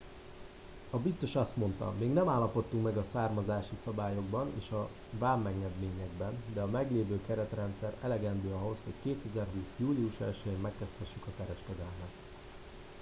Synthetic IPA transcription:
ɒbist̪o̞ʃɒst̪mo̞nt̪ɒ̰meːɡnɛmaːlːɒpo̞t̪ːuŋkmɛɡɒsaːrmɒzaːʃisɒbaːjo̞ɡbɒnḛːʃɒ | vaːmːɛɡnɛd̪meːɲɛɡbɛnd̪ɛɒmɛɡleːvøːkɛɾɛt̪rɛnt̪sɛɾɛlɛɡɛnd̪øːɒɦo̞sho̞ckeːt̪ɛzɛrɦuːsjuːliuʃɛ̰lʃɛjeːmːɛkːɛst̪ʰɛʃːykɒkɛɾɛʃkɛd̪ɛlmɛt̪

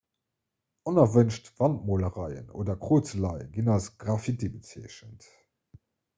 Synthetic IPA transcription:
ɔnɐvənʃtv̥ɑnt̚moːləʁɑɪə̰no̰ːdɐkχoːt͡səlɑɪɡinɑlsɡ̥ʁɑfitibət͡siɛəɕənt

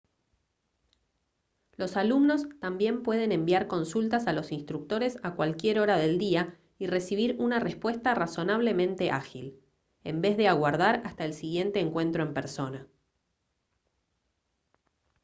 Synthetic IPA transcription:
lo̞salumno̞st̪ambje̞mpwe̞ð̞ene̞mbjaɾko̞nsult̪asalo̞sinst̪ɾuk̚t̪o̞ɾe̞sakwalkje̞ɾo̞ɾaðe̞ld̪ia | ire̞siβ̞iɾunarespwe̞st̪araso̞naβ̞le̞mẽnt̪e̞ʔa̰xil | embezðe̞aɣwaɾð̞aɾast̪aelsiɣje̞nt̪e̞ːŋkwe̞nt̪ɾoe̞mpeɾso̞na

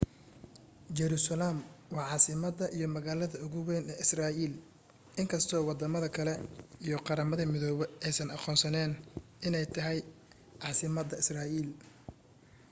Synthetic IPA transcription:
d͡ʒɛɾusɐlaːmwɑːʕɑːsɪmɐd̪ɐʔijɞmɐɣaːlɐðɐʊɣʊwɛːnɛɪsraːʔiːl | ʔɪŋkʰɐst̪ʰɔːwɑd̪ɐmɐðɐkʰɐlɛijɞqɑɾɐmɐðɐmɪðɔːβɛɛjsɐnɑqɔːnsɐnɛːn | ɪnɛjt̪ʰɐɦɛj | ʕɑːsɪmɐd̪ɐɪsraːʔiːl

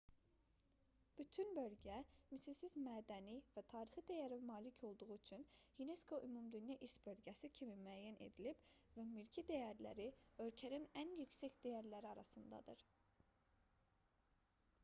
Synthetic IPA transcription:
b̥yt̪ʰynbø̞lɟæmisilsizmæːd̪ænivæt̪ʰɑːɾiχɯd̪æjæɾimɑːlicʰo̞lˠd̪uʁuyt͡ʃʰynhyne̞skʰo̞ʔymumd̪ynjɑʔiʃbø̞lɟæsicʰimimæːjæne̞̰d̪ilib̥væmylʲcʰid̪æjæɾlæ̰ɾiø̞lcʰæninænjycsæcd̪æjæɾlæɾiɑɾɑsɯnd̪ɑ̰d̪ɯɾ

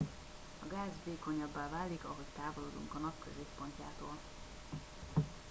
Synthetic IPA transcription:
ɒɡaːzveːko̞ɲɒbːaːvaːlikɒɦo̞ct̪aːvoloːd̪ṵŋkɒnɒpkøzeːpːoɲca̰ːt̪oːl

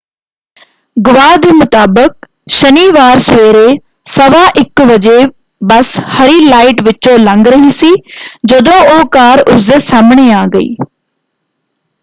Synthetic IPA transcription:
ɡʊʋaːd̪ʱmʊt̪aːbək̚ | ʃɐniːʋaːɾsʋeːɾe | sɐʋaʔɪkʋɐd͡ʑe | bɐshɐɾiːlaːɪʈʋɪt͡ɕolɐ̃ŋɡɾɐɦĩsiːd͡ʑod̪ooːkaːɾʊzəsaːmɪɽ̃eaːɡɐḭː

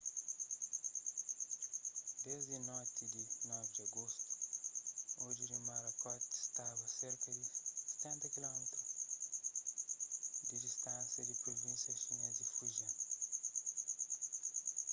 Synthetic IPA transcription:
dezinot̪idinɛvidiaɡost̪u̥ | od͡ʒiɾimaɾakat̪i̥st̪abɐseɾkɐdise̥t̪ɛ̃nt̪ɐkilomit̪u | didist̪ãnsɐdipɾovĩnsjãsjonezdifuʒã

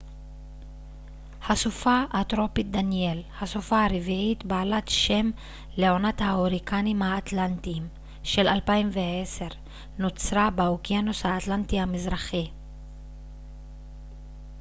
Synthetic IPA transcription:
hasufaʔat̪ʁo̞pit̚d̪anje̞lhasufaaʁeviit̪baːlat̪ʃe̞m | leo̞nathaoʁikanimhaːt̪lant̪iːm | ʃe̞lalpaimveese̞ʁ | not͡sʁabeokijanoshaːt̪lantihamizʁaχi

